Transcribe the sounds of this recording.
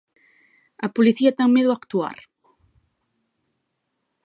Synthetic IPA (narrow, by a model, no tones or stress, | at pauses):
ɐpoliθiɐt̪aŋmeðʊakt̪ua̰ɾ